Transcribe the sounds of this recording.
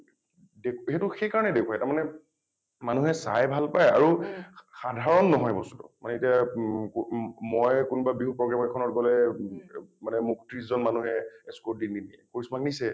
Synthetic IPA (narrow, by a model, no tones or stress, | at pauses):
dekɦetʊxejkaɹɔnɛdekʰuwajtaɹmanɛ | manuɦɛsa̰jbʱalpaja̰ɹuxadʱaɹɔnːɔɦɔjbɔstu̥tɔ̰manɛetiakmɔjkunubabiɦupɹɔɡɹamɔkʰɔnɔtɡɔlɛ | manɛmuktɹiszɔnmanuɦɛ̰eskodininiɛ̰koɹismaknisɛ